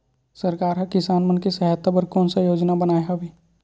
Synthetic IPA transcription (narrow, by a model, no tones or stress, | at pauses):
sɐɾkaːɾɦɐkɪsaːnmənkisɛɦət̪ːabɐɾkɔːnsajoːd͡ʒnabɐnaːeɦabʱiː